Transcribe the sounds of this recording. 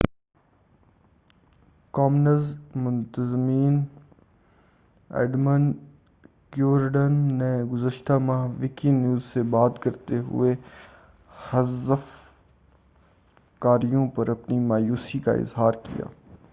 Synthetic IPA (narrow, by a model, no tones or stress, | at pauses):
kɔːmnəzmʊ̃nt̪əzmiːn | ɛ̰ːɖmən | ɡjuːʋəɾɖənːeɡʊzəʃt̪amãɦʋɪkinjuːzsebaːt̪kɐɾt̪eɦʊ̰e | hɐzəf | kaːɾijõpəɾɐpnimaːjuːsika̰ɪ̰zɦaːɾkḭja̰ː